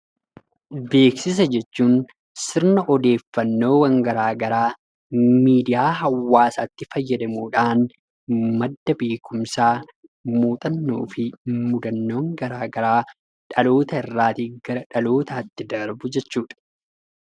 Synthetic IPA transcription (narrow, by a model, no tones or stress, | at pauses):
be̞ːksɪs̬ɐd͡ʒɛt͡ʃːuːn | sɪɾnɐʔɔd̪e̞ːfːɐnːo̞ːwɐŋɡɐɾaːɡɐɾaː | miːd̪ɪjaːɦɐwːaːsaːt̪ːɪfɐjːɐd̪ɐmuːᶑaːn | mɐd̪ːɐbeːkʰʊmsaː | muːt̪ʼɐnːoːfɪmʊd̪ɐnːo̞ːŋɡɐɾaːɡɐɾaː | ᶑɐlo̞ːt̪ɐɪrːaːt̪iːɡɐɾɐᶑɐlo̞ːt̪ɐːt̪ːɪd̪ɐɾbʊd͡ʒɛt͡ʃːuːᶑɐ̥